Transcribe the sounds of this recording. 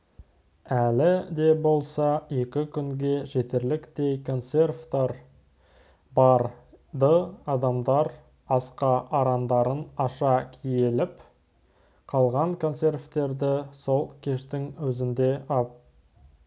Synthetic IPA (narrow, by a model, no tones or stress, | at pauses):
ælɪd̪e̞bo̞lˠsɑe̞kʲɪkʲʰʏŋɡʲe̞ʒe̞t̪e̞ɾlɪkt̪e̞jkʰo̞nt̪se̞rft̪ɑɾ | bɑɾ | d̪əɑd̪ɑmd̪ɑɾ | ɑsqɑʔɑɾɑnd̪ɑɾənɑʃɑkʲʰijelɪp | qʰɑlˠʁɑŋkʰo̞nse̞rft̪e̞ɾd̪ɪso̞lˠkʲʰe̞ʃt̪ɪŋwɵzɪnd̪e̞ɑp̚